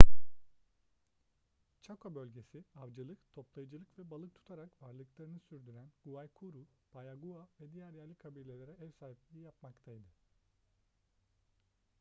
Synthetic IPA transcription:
t͡ʃʰakʰobø̞lʲɟe̞siavd͡ʒɯlˠɯkt̪ʰo̞plˠajɯd͡ʒɯlˠɯkvɛbalˠɯk̚t̪ʰu̥t̪ʰaɾakvaɾlˠɯklˠaɾɯnɯsyɾd̪yɾænɡ̥uvajkʰuɾu | b̥ajaɡuavɛd̪ijæɾjæɾlʲikʰabiːlʲe̞lʲeɾɛɛvsaːɦip̚lʲejijapmakt̪ʰajd̪ɯ

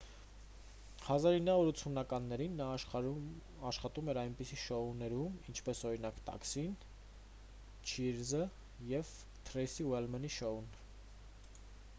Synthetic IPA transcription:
hɑzɑɾinːɑɔɾut͡sʰunɑkɑnːɛɾinːɑ | ɑʃχɑt̪umɛɾɑjnpisiʃɔunɛɾumint͡ʃʰpɛsɔɾinɑkt̪ɑ̰ksin | t͡ʃʰiɾzə | jɛv | t̪ʰɾɛjsiwɛlmɛniʃɔun

